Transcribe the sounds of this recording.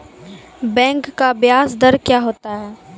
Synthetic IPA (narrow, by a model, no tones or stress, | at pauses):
bɛ̃ːŋkːabjaːsd̪əɾkjaːɦoːt̪aɦɛː